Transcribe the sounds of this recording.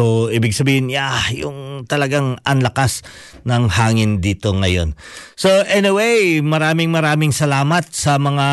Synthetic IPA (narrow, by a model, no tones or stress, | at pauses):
oʔiːbɪɡ̚sɐbiːhɪnjajʊ̰ŋt̪ɐlɐɡaŋʔɐnlɐkas | nɐŋhaːŋɪnd̪iːt̪o̞ŋɐjo̞̰nsoʔɛnɪwejmɐɾaːmɪŋmɐɾaːmɪŋsɐlaːmɐt̪̚sɐmɐŋa